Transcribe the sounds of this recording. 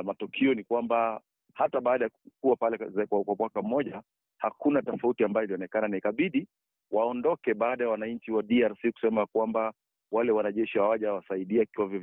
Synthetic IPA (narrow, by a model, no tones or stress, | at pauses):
matɔkʰiɔnikwamba | hataɓaːɗajakuwapalɛzkakwamwakam̩mɔʄa | hakunatɔfautiambajɔiliɔnɛkananaikaɓiɗi | waɔndɔkɛɓaːɗajawanaɲ̩t͡ʃiwaɗiaɾsiku̥sɛmakwamba | walɛwanaʄɛʃihawaʄawasaiɗiaikiwavjɔ